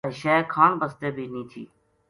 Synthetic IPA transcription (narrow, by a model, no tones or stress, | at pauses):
iʃɛːkʰaːnbəst̪eːbʱiːnĩːt̪ʰḭː